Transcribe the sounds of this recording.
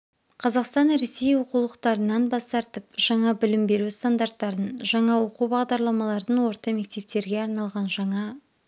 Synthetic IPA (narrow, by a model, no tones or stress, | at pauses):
qʰɑzɑqst̪ɑnɾe̞se̞jwo̞qulˠəqt̪ɑɾənɑnbɑst̪ɑɾt̪əp̚ʒ̥ɑɴɑbɪlɪmbe̞ɾust̪and̪aɾt̪ːɑɾənʒɑɴɑwo̞qubɑʁd̪ɑɾlˠɑmɑlˠɑɾd̪ənwo̞ɾt̪ɑme̞k̚t̪e̞p̚t̪e̞ɾɡʲe̞ɑɾnɑlˠʁɑnʒɑɴɑ